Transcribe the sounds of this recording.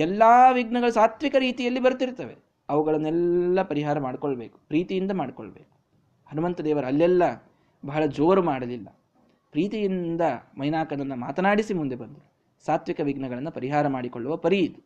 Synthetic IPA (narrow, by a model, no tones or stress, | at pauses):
ɛlːaːʋiɡnɐɡɐɭusaːt̪ʋikɐɾiːt̪ijɐlːibɐɾt̪iɾt̪ɐʋe | ɐʋuɡɐɭɐnːɛlːɐpɐɾiɦaːɾɐmaːɽkoɭɐbeːku̥pɾiːt̪ijind̪ɐmaːɽɖiko̰ɭbeːku̥ | hɐnumɐnt̪ɐd̪eːʋɐɾɐlːɛlːɐ | bɐɦɐɭɐd͡ʒoːɾumaːɽɐlilːɐ̰ | pɾiːt̪ijind̪ɐmɐjnaːkɐnɐnːɐma̰ːt̪ɐnaːɽisimund̪e̞bɐnd̪u | saːt̪ʋikɐʋiɡnɐɡɐɭɐnːɐpɐɾiɦaːɾɐmaːɽikoɭːuʋɐpɐɾiid̪u